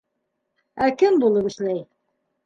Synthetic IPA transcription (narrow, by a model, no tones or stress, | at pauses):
ækɘmbulˠɤpɘ̆ʃlæj